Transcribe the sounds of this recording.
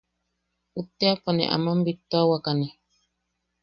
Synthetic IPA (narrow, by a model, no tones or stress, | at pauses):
ut̪ːeapanɛ̰ʔa̰mambit̪ːawakani